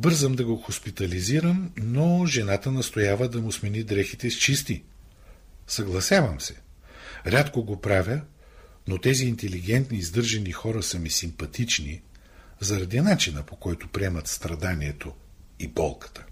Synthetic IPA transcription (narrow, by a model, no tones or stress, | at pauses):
bɤɾzəmd̪ɐɡoxospit̪ɐliziɾəmnoʒɛnat̪ənɐst̪ojavəd̪ɐmʊsmɛnid̪ɾɛxit̪ɛst͡ʃist̪i | sɐɡlˠɐsʲjavɐmsɛ̥ | ɾʲat̪koɡopɾavʲə | not̪ɛziːnt̪ɛliɡɛnt̪niːzd̪ɤɾʒɐnixɔɾəsɐmisimpɐt̪it͡ʃni | zɐɾɐd̪inat͡ʃinəpokɔjt̪ʊpɾiɛmɐt̪st̪ɾɐd̪aniɛt̪o | ibɔ̰lˠkə̥t̪ə̥